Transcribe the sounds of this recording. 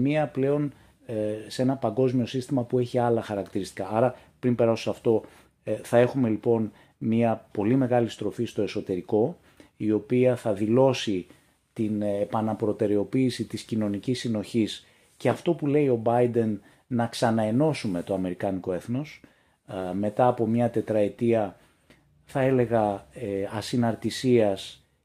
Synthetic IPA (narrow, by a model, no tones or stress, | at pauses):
miɐple̞o̞n | se̞nɐpɐŋɡo̞zmio̞sist̪imɐpue̞çiɐlɐxɐɾɐkt̪iɾist̪i̥kɐʔɐɾɐpɾimpe̞ɾɐsosɐft̪o̞ | θɐe̞xume̞lipo̞n | miɐpo̞lime̞ɣɐlist̪ɾo̞fist̪o̞e̞so̞t̪e̞ɾiko̞ | io̞piɐθɐðilo̞si | t̪inepɐnɐpɾo̞t̪e̞ɾe̞o̞piːsit̪iscino̞nicisːino̞çis | ce̞ɐft̪o̞pule̞io̞bɐjd̪e̞nː | ɐksɐnɐe̞no̞sume̞t̪o̞ɐme̞ɾikɐniko̞e̞θno̞s | me̞t̪ɐːpo̞mɲɐt̪e̞t̪ɾɐe̞t̪iɐ | θɐe̞le̞ɣɐ | ɐsinɐɾt̪isiɐs